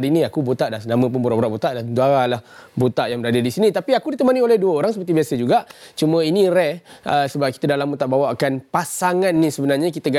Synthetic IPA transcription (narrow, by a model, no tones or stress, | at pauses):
ɾinĩakubot̪aʔdanamə̃p̬unbuɾaʔboɾaʔbot̪aʔdad̪uaɾalahbot̪aʔjaŋbəɾadədisinĩt̪apiakudit̪əmaniolɛhduəoɾaŋsəpərt̪ibiasəd͡ʒuɡaʔt͡ʃumə̃iniɾɛəsəbap̚kit̪adalambut̪aʔbawaʔkanpasaŋanːisəbənarɲakit̪əɡa